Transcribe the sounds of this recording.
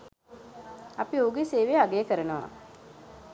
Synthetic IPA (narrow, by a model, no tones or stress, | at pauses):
apiouɡeseːʋeaɡejkəɾənəʋa̰